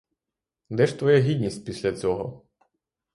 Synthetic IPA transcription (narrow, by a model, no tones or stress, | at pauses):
d̪ɛʃt̪ʋɔjɛɦʲid̪ʲnʲisʲtʲpʲisʲlʲɐt͡sʲɔɦɔ